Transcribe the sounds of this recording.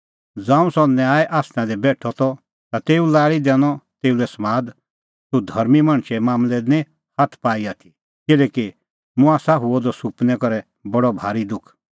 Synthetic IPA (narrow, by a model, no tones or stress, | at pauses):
d͡zãːũsɔnjaːɛʔaːsnãd̪ɛbɛːʈʰɔt̪ɔ | t̪at̪eːulaːɭid̪ɛːñɔt̪eːulɛsmaːd̪ | sud̪ʱɐɾmimɐɽ̃ʃɛmaːmlɛnĩ | hat̪ʰpaːiat̪ʰi̥ | kɪlɛːki | mʊ̃aːsaɦʊɔd̪ɔsupnɛkɔɾɛ | bɐɽɔbʱaːɾid̪ʊkʰ